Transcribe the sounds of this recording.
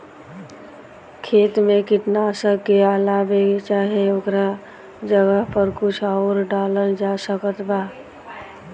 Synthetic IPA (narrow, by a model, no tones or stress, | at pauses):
kʰeːt̪mẽkɪʈ̪nasəkːealabet͡ʃaːɦieokɾa | d͡ʒəɡəɦpəɾkʊt͡ʃʰaʊɾɖaːləɾd͡ʒasəkət̪baː